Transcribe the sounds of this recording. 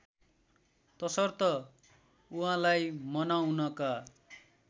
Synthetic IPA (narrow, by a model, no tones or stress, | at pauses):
t̪ʌsʌrt̪ʌ | uɦãlajmʌnawnʌka